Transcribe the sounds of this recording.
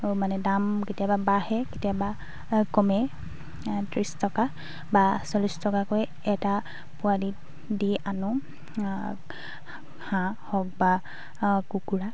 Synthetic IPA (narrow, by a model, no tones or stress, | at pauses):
manɛdamketijababahɛketijaba | kɔmɛ | tɹistɔka | basɔlistɔkakɔj | ɛta | pʊadi | diʔanʊ | hãhɔk̚ba | kukuɹa